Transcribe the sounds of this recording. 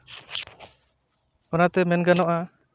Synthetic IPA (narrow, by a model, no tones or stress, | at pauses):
ɔnat̪ɛmɛnɡanɔʔa